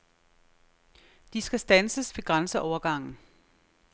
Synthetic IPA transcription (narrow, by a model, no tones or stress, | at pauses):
d̥isɡ̥æsd̥ænsəsʋe̝ɡ̥ʁansəʔɒʊɐɡ̥ɑ̈ŋ̰n̩